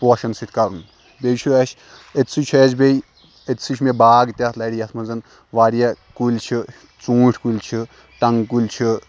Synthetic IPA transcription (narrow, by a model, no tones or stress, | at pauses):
poːʃɐnsit̪ʰʲkɐɾun | bejt͡ʃʰuɐʃʲ | et̪sʰɨt͡ʃʰeːd͡ʒbej | et̪sɨt͡ʃʰmebaːɡt̪ʲɐt̪ʰlɐɽʲijɐt̪ʰmɐnzɐn | ʋaːɾjakulʲt͡ʃʰi | t͡sũːʈʰkulʲt͡ʃʰi | ʈɐŋɡkulʲt͡ʃʰi